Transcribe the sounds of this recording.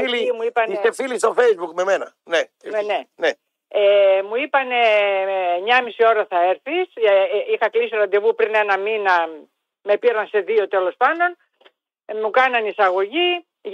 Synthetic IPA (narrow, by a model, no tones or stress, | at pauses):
ilimuipɐniθefilist̪ofejzbukme̞menɐ | neenene | emuipɐne̞ | ɲɐmisio̞ɾɐθɐe̞ɾθisixɐklisit̪oɾɐnd̪ovupɾine̞nɐminɐ | me̞piɾɐnse̞ðio̞t̪e̞lo̞spɐnd̪o̞n | mukɐnɐnisɐɣo̞ʝi